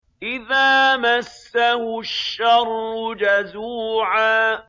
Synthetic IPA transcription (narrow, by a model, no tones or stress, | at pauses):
ʔɪðaːmasːahʊʃːɑɾˤʊd͡ʒazuːʕaː